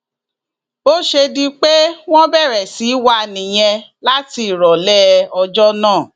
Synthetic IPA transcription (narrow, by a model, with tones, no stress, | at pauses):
o˦ʃe˧dĩ˦k͡pe˦w̃ɔ̃˦bɛ˦˨ɾɛ˨si˨˦wa˦nĩ˨j̃ɛ̃˧la˦ti˧˨ɾɔ˨lɛ˦ɔ˧d͡ʒɔ˦nãː˦˨